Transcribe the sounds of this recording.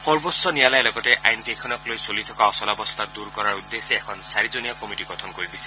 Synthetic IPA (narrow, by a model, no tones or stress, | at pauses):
pɔɾbɔsɔnialajlɔɡɔteʔa̰jnkejkʰɔnɔklojsolit̪ʰɔkaɔsɔlabɔst̪ʰad̪uɾkɔɾaɾud̪ːeseekʰɔnsaɾid͡ʒonijakɔmiʈiɡɔt̪ʰɔnkoibisʰi̥